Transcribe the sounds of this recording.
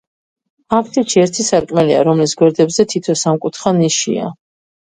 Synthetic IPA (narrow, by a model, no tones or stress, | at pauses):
akʰt̪ʼiʃiɛɾt̪ʰisaɾkʼmɛlia̰ɾɔmlisɡwɛɾd̪ɛbzɛt̪ʰit̪ʰɔsamkʼut̪ʰχaniʃḭa̰